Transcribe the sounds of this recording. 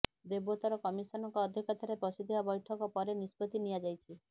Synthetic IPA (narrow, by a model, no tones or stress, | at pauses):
d̪ebot̪ɔɾɔkɔmisɔnɔŋkɔːd̪ʱjɔkɔt̪ʰaɾepɔsid̪ʱibabɔjʈʰɔkɔpɔɾenispɔt̪inijad͡ʒajt͡ʃʰi